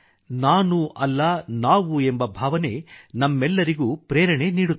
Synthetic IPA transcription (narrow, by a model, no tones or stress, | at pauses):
naːnuʔɐlːɐnaːʋuembɐbʱaːʋɐnenɐmːɛlːɐɾiɡuːpɾɛːɾɐɳe̞niːɽu